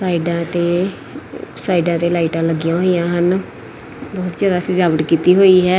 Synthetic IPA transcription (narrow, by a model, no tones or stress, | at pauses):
saːiɖãːt̪eː | saːiɖãːt̪eːlaːiʈãːləɡɪjãːɦoːijãːɦən | bɔːt̪zjaːd̪aːsɪd͡ʒaːbəʈkiːt̪iːɦoːiːɦɛː